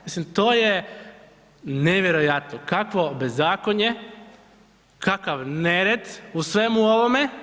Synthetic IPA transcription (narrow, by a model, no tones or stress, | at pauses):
mislimt̪o̞ːje | neʋjeɾojat̪nokakʋo̞be̞zːaːkoɲe | kʰakaʋneɾed̪usʋe̞muoʋome